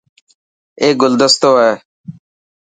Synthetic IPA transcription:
eːɡʊld̪əst̪oːeː

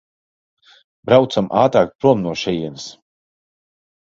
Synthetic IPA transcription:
bɾawt̪samaːt̪ɾaːk̚t̪̚pɾuɔmnuɔʃɛjiɛnis

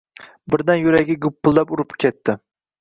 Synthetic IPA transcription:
bɪɾd̪anjʊɾaɡʲɪɡʊpʰːʊlˠːapʊɾɪpkʲʰet̪ʰːɪ

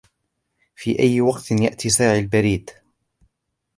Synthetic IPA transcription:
fiːʔajːwɑqt̪nja̰ʔt̪ʰiːsaːʕalbaɾiːd̪

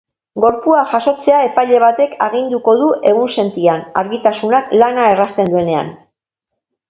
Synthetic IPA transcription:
ɡo̞ɾpuaʝaso̞t͡se̞ae̞pajʎe̞β̞at̪e̞kʰaɣind̪uko̞ðuʔe̞ɣunse̞nt̪iana̰ɾɣit̪asunaklanae̞rast̪e̞nd̪ue̞ne̞a̰n

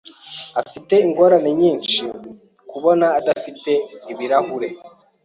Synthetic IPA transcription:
afite̞iŋɡo̞ɾane̞ɲiːnt͡ʃi | kuβo̞naːdafite̞iβiɾahuɾe̞

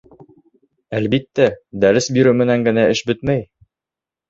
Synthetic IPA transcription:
ælbit̪ːæd̪æɾɘsbiɾɘmɘ̆næŋɡɘ̆næɘʃbɵt̪mæj

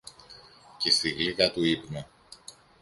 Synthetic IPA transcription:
cest̪iɣliɣɐt̪uipne

